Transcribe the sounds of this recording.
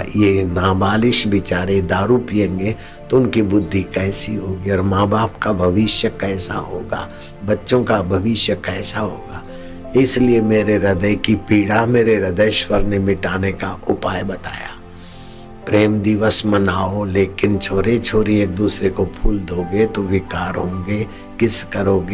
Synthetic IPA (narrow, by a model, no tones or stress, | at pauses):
jenaːbaːlɪʃbɪt͡ʃaːɾed̪aːɾupijẽːŋɡe | t̪oʊnkibʊd̪ʱːikɛːsiɦoːɡiɔːɾmaːbaːpkabʱɐʋɪʃjəkɛːsa̰ɦo̰ːɡa̰ː | bɐtːʃõkabʱɐʋɪʃjəkɛːsaɦo̰ːɡaː | ɪsliemeːɾeɾɐd̪əjkipiːɽameːɾeɾɐd̪əjʃwəɾnemɪʈaːnekaʔʊpaːjbɐt̪a̰ːja̰ː | pɾeːmd̪ɪʋəsmɐnaːoleːkɪnt͡ʃʰoːɾet͡ʃʰoːɾieːk̚d̪uːsɾekopʰuːld̪oːɡet̪oʋɪkaːɾɦõ̰ːɡe | kɪskəɾoːɡe